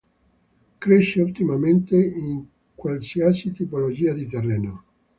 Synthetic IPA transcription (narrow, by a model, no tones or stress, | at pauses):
kɾeʃːeut̪imament̪eiŋ | kwalsiasit̪ipolod͡ʒiːad̪it̪erːeːno